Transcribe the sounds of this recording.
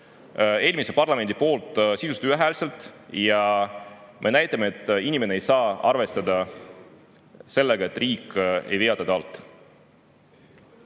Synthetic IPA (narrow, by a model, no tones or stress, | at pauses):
e̞ːlmisepɑrlɑme̞nd̪ipo̞ːlt̪ˑsid̪ust̪uæɦælse̞lt̪ˑjɑ | mʔe̞næjt̪ːˑɑmeet̪ˑːinʲime̞neejsɑːɑrve̞st̪ɑd̪̥ɑ | se̞lːeɡ̥ɑe̞t̪ːˑriːkːe̞̰jveɑd̪ɑd̪̥ɑɑlt̪ːˑ